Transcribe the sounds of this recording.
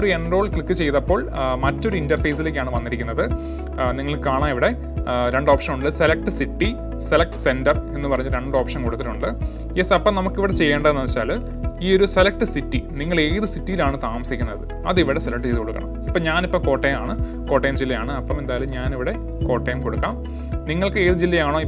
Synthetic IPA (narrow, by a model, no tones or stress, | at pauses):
oɾuenro̞ːɭkɭikːɨt͡ɕe̞jðɐpːo̞ːɭmɐtːo̞ɾuindɐrfejs̬ileːk̬ʲːaːɳɨʋɐnːiɾikʲːunːɐðɨ | niŋːɐɭɨaːɳaːmiʋiɽe̞ | ɾeɳɖo̞ːpʂɐnuɳɖɨse̞lɐk̚ʈɨsiʈːi | se̞lɐk̚ʈɨ̥se̞ndɐre̞nːɨpɐrɐɲːulɾe̞ɳɖo̞ːpʂɐnkoɽut̪ːiluɳɖɨ | jesɐpːɐmnɐmukːiʋiɽet͡ɕe̞jːeːɳɖɐðenːɨɐit͡ɕːaːl | iːo̞ɾuselɐk̚ʈɨsitːiniŋːɐɭe̞ːðɨsitːijilaːɳɨt̪aːmɐsikʲːunːɐðɨ | ɐ̰ðiʋiɽe̞selɐk̚ʈːɨt͡ɕejðukoɭːukːɐ̰ɳɐ̰mipːoːɲaːnipːoːko̞ːʈːejmaːɳɨ | ko̞ːʈːejmd͡ʑilːɐjaːɳɨɐpːɐme̞nd̪aːjɐlumɲaːniʋiɽe̞ | ko̞ːʈːejumkoɽukːa̰ːm | niŋːɐɭkɨeːðɨd͡ʑilːɐjaːɳo̞ːi